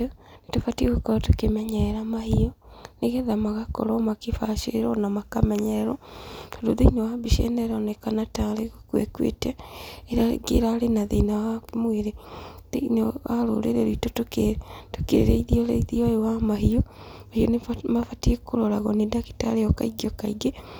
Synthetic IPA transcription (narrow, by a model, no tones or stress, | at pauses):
netofatieɣokɔɾatokemɛɲɛɾamahiɔneɣeðamaɣakɔ̰ɾɔmakefaʃeɾeɾɔnamakamɛɲɛɾɛɾɔtodoðenawabiʃɛ̰nɛɾɔnɛkanataɾeɣokwḛkwḛtɛːɾa̰ɡḛɾalenaðenawakmweɾeðenaɾo̰ɾḛɾeɾiitotoketokḛḛɾeiðiɔɾeiðiɔewamaɦiɔ | mahiɔnemafatiekoɾɔɾaɣɔnedaki̥ta̰ɾeɔka̰iɡiɔkaiɡe